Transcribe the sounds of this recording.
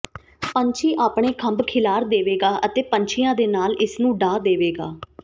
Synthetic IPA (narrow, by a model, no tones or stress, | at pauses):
pəɲt͡ʃʰiːʔaːpɳeːkʰəmbkʰɪlaːɾd̪eːʋeːɡaːʔət̪eːpəɲt͡ʃʰɪjãːd̪eːnaːlʔɪsnũːɖaːd̪eːʋeːɡa̰ː